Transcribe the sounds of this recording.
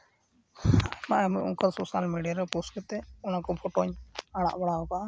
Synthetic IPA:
maʔɛmuʔɔ̰ŋkasosalmeɖijaɾɛpɔskɛt̪ɛɔnakɔbʱʰɔʈɔɲaɽa̰ʔbaɽaɔkaʔa

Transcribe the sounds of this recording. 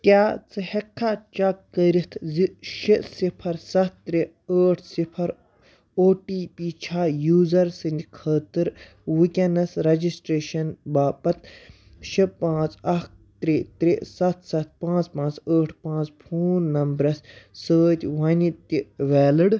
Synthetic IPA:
kʲaːt͡sɨhɛkʰːat͡ʃɐkːəɾit̪ʰziʃisipʰɐɾsɐt̪̚ʰːɾi | əːʈʰsipʰɐɾ | oːʈiːpiːt͡ʃʰaːjuːzɐɾsɨnʲd̪ʲkʰəːt̪ɨɾ | wukʲɐnɐsɾɐd͡ʒisʈɾeːʃɐnbaːpɐt̪ | ʃipãːt͡sɐk | t̪ɾit̪ɾisɐt̪ʰsɐt̪̚ʰpãːt͡spãːt͡səːʈʰpãːt͡spʰoːnːɐmbɾɐssəːt̪ʲʋɐnʲit̪iʋɛːlɨɽ

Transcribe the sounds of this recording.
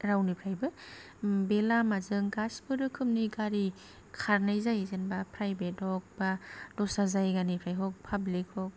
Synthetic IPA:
ɾawnipʰɾajbɯ | belamazɯŋɡaspɯɾɯkʰɯmniɡaɾi | kʰaɾnajzajzenbapʰɾajbet̚ɔk̚bad̥ɔsazajɡanipʰɾajɦɔk̚pʰablikhɔk̚

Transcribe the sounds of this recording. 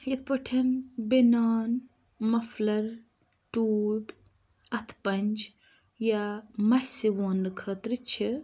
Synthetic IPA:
jɐt̪̚ʰpəʈʰɐnbinaːn | mɐflɐɾ | ʈuːb | ɐt̪ʰpɐnʲd͡ʒ | jamɐsiʋoːnːɨkʰəːt̪ɾɨt͡ʃʰi

